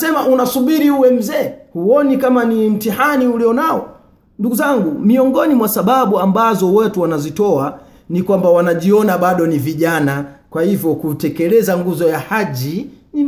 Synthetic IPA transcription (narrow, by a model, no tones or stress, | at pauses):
sɛmaʔunasuɓiɾiuwɛm̩zɛːhuɔnikamanim̩tihaniuliɔnaɔ | nduɡuzaŋɡumiɔŋɡɔnimwasaɓaɓuambazɔwɛtuwanazitɔa | nikwambawanaʄiɔnaɓaɗɔniviʄanakwahivjɔkutɛkɛlɛzaŋɡuzɔjahaʄini